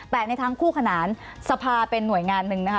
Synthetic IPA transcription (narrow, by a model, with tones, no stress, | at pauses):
t̪ɛː˨˩na˧jt̪ʰaː˧ŋkʰuː˥˩kʰa˧naː˩˦n | sa˧pʰaː˧pe˧nːu˨˩əjŋaː˧nːɯ˧˩ŋna˦˥kʰa˥